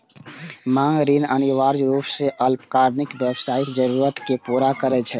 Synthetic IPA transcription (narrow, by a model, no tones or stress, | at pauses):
maŋɡɾinəniʋaːɾd͡ʒɾuːpseʔəlpkaːɾnɪkbɛbsaːɪkd͡ʒəɾuɾət̪kepuɾakəɾɛt͡ʃʰɛ